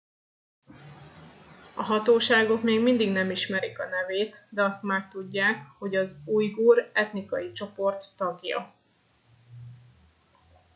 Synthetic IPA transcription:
ɒɦɒt̪oːʃaːɡo̞kmeːɡmind̪iɡnɛmiʃmɛɾikɒnɛveːt̪d̪ɛɒst̪maːk̚t̪uɟːaːkho̞ɟɒzuːjɡuːɾɛt̪nikɒjit͡ʃo̞po̞rt̪ːɒɡjɒ̰

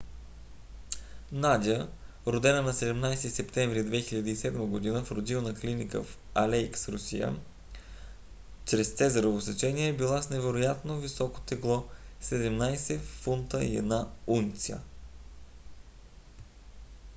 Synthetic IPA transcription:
nad̪ʲiə | ɾod̪ɛnənɐsɛd̪ɛmnajsisɛpt̪ɛɱvɾid̪vɛxiʎʲɐd̪iːsɛd̪məɡod̪inəfɾod̪ilˠnɐklinikə̰f | ɐlɛjksɾʊsḭjə̰ | t͡ʃɾɛst̪sɛzəɾovosɐt͡ʃɛniɛbilˠasnɛvɛɾojat̪novisɔko̥t̪ɛklˠɔsɛd̪ɛmnajsɛfunt̪əḭɛ̰d̪naunt̪sijə̰

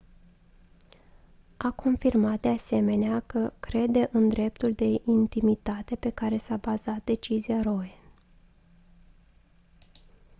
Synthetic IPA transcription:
akʰo̞nfirmat̪̚d̪ease̞me̞neakəkɾe̞d̪e̞ʔɨnd̪ɾe̞p̚t̪uld̪e̞ʔint̪imit̪at̪e̞pe̞kaɾe̞sabazat̪̚d̪e̞t͡ʃiziaɾo̞e

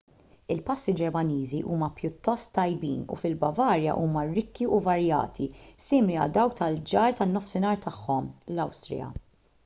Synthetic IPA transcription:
ɪlpɐsːid͡ʒɛɾmɐniːziʔuːmɐpjʊt̪ːɔst̪ːɐjbiːnṵfɪlbɐvɐːɾjɐ̰ʔuːmɐɾɪkːiʔʊvɐɾjɐ̰ːt̪ʰisɪːmliɐ̰ld̪ɐwk̚t̪ɐld͡ʒɐːɾt̪ɐnːɔfsɪnɐːɾt̪ɐħːɔmlɐwst̪ɾɪ̰jɐ̰

